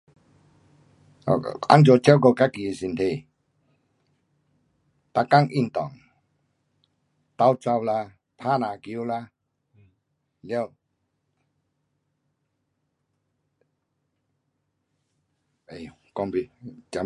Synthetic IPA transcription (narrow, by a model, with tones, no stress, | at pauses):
a̰˦nd͡ʒo˨˧˨t͡ɕɛ˦wko˧ka˦ki˨si˨nt̪ʰe˨ | t̪a˧ka˦˥˨ŋʔi˧˨nt̪ɔ˨ŋ | t̪a˧˦wt͡sa˧wla˧ | pʰa˦˨na˨ki˧˦la˦˧ | ljɛ˦˨w | e˨kɔ˧ŋbi˧t͡ɕa˧˦